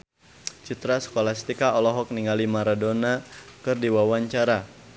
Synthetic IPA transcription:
t͡ʃit̪ɾasə̥kolast̪ikaɔlɔɦɔk̚niŋalimaɾadonakɨrdiwawaɲt͡ʃaɾa

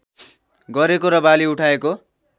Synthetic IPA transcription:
ɡʌɾekoɾʌbaliuʈʰaeko

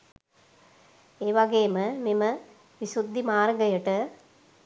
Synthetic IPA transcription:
eːʋaɡeːməmimə | ʋisud̪ʱːimaːɾɡəjəʈə

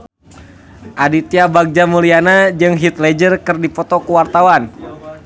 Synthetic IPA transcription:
ʔadit̪iabaɡ̚d͡ʒamulianad͡ʒɨŋɦit̪̚lɛd͡ʒərkɨrdipɔt̪ɔkuwart̪awan

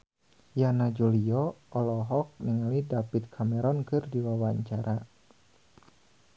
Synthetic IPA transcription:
janad͡ʒuliɔʔɔlɔɦɔk̚niŋalidapit̪̚kʰamɛɾɔnkɨrdiwawaɲt͡ʃaɾʔa

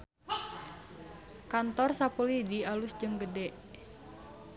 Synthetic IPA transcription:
kant̪ɔrsapulidialusd͡ʒəŋɡədɛʔ

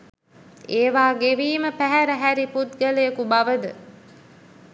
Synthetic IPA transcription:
eːʋaːɡeʋiːməpæɦæɾəɦæɾiput̪̚ɡələjəkubaʋəd̪ə

